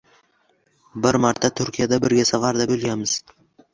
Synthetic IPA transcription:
bɪɾmaɾt̪ʰːat̪ʰʊɾkʲʰijad̪abɪɾɡʲasavaɾd̪abɵlˠɡʲamɪz̥

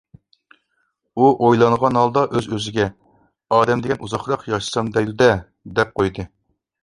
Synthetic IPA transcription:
uʔojlˠɑɴʁɑnhɑlˠd̪ɑʔøzøzɪɡʲɛ | ɑːd̪ɛmd̪ɪkʲɛnʔuzɑχɾɑqjɑʃɨ̥sɑmd̪ɛjd̪ud̪ɛ | d̪ɛp̚qʰojd̪ɨ

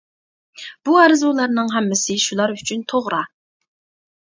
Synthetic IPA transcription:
b̥uɑɾɨzulˠɑɾnɨŋɦɛmːɪsɪʃulˠɑɾyt͡ʃʰynt̪ʰoʁɾɑ

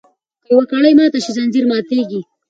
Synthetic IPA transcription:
kəjwakaɽajmɑːt̪aʃizanziɾmɑt̪eɡi

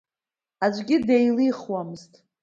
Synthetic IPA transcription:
ad͡ʒʷʼɡʲɪdejliχwamɨztʼ

